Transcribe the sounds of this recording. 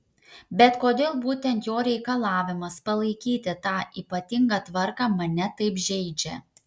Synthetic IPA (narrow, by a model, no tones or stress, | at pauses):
bʲɛt̪koːd̪ʲeːlˠbuːt̪ʲɛnt̪joːɾʲɛɪkɐlˠɑːʋʲɪmɐspɐlˠɐɪkʲiːt̪ʲɪt̪ɑːʔiːpɐt̪ʲɪŋɡɑt̪ʋɐɾkɑːmɐnʲɛt̪ɐɪpʒʲɛɪd͡ʒʲɛ